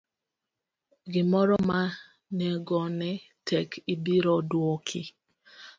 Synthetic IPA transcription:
ɡɪmɔɾɔma | nɛɡɔnɛ | tʰɛkʰibiɾɔdwɔkʰɪ

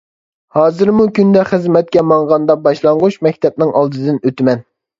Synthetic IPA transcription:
hɑːzɨɾmukʲynd̪ɛχəzmɛt̪̚kʲɛmɑɴʁɑnd̪ɑbɑʃlˠɑɴʁuʃmɛkʲt̪ʰɛp̚nɪŋɑlˠd̪ɨd̪ɪnøt̪ɪmɛn

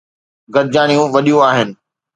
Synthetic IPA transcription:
ɡɐd̪̚d͡ʑaːɽ̃ijũʋɐɗijũaːɦɪnɪ̆

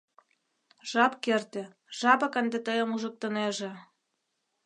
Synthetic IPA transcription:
ʒ̥ɑpkert̪ĕ | ʒ̥ɑpɤkənd̪et̪əjə̆muʒə̆k̚t̪əneʒe

